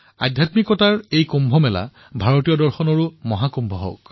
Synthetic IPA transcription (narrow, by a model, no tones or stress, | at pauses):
a̰dʱjatmikɔtaɹejkumbʱɔmɛla̰ | bʱaɹotijɔdɔɹxɔnɔɹumɔɦakumbʱɔɦɔ̰k